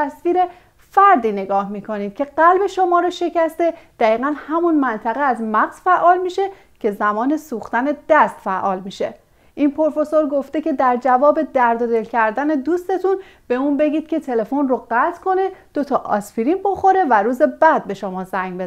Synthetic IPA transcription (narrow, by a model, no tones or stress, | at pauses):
æsviːɾe̞ | fæɾd̪iːne̞ɡɒːhmiːkʰo̞niːd̪̥̚cʰʲe̞ɢælbe̞ʃo̞mɒːɾɒʃe̞cæst̪e̞d̪̥æiːɣænhæmunmænt̪ʰæɣeæzmæɣz̥fæʔɒːlmiːʃe̞ | cʰe̞zæmɒːne̞suːxt̪æne̞d̪̥æst̪fæʔɒːlmiːʃe̞̰ | ʔinpʰo̞ɾfe̞so̞ɾɡo̞ft̪ecʰe̞d̪æɾd͡ʒævɒːbe̞d̪æɾd̪od̪e̞lcʰæɾd̪æne̞d̪uːst̪e̞t̪ʰun | b̥e̞uːnbe̞ɟiːd̪̥̚kʲʰe̞t̪ʰe̞le̞fo̞nroɢæt̪ʰkʰo̞ne̞d̪̥o̞t̪ʰɒʔɒ̰sfiɾimbo̞xo̞ɾe̞væɾuːze̞bæd̪̚be̞ʃo̞mɒːzæŋɡbe